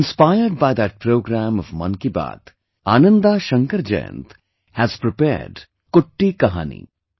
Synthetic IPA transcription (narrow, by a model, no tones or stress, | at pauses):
nspaɪəɾɖ̚baɪd̪æʈ̚pɾoːɡɾæ̃mɔvmɐ̰̃nkiba̰ːt̪ | aːnə̃nd̪aʃə̃ŋkəɾd͡ʒɛ̰jə̰̃nt̪ | hæz̥pɾɪpɛ̰ːɾɖ | kʊʈːikɐɦa̰ːnḭ